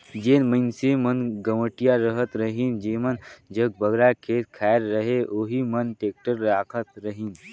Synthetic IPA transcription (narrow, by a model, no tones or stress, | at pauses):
d͡ʒeːnməɪnsemənɡəməʈijaɾəɦət̪ɾəɦind͡ʒeːmənd͡ʒəɡ̚bəɡɾakʰeːt̪kʰaːjɾːəɦeʔoːɦimənʈeːk̚ʈəɾːaːkʰət̪ɾəɦin